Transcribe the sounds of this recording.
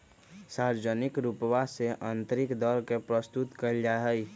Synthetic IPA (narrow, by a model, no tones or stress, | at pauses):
saːɾd͡ʒənɪkɾupʋaseʔə̃nt̪ɾɪkd̪ɔɾkepɾəst̪ut̪kəld͡ʒaɦəi